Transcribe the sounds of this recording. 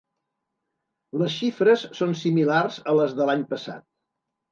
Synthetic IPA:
ləs̬ʃifɾəsːonsimilarzələzðəlaɲpəsa̰t̪̚

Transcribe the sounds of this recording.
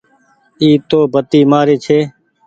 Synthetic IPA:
iːt̪oːbʱət̪iːmaːɾeːt͡ʃʰeː

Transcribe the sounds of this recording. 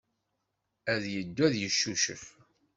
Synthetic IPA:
æðjəd̪ːæðjəʃːuʃə̰f

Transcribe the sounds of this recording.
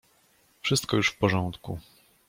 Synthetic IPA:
fʂɘst̪kɔjuʂfpɔʐɔnt̪ku

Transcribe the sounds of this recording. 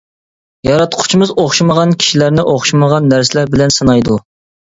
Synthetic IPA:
jɑɾɑt̪qʰʊ̥t͡ʃʰimɨzoχʃiməʁɑnkʲʰi̥ʃilæɾnɪʔoχʃiməʁɑnːæɾsɪlæɾbɪlɛnsɨnɑjd̪u

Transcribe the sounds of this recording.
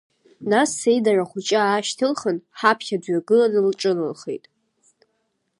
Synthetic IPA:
nasejdaraχʷut͡ʃʼaaːʃtʰɨlχənħapʰχʲadɥaɡɨlanɨlʈ͡ʂʼɨnɨ̰lχḛjtʼ

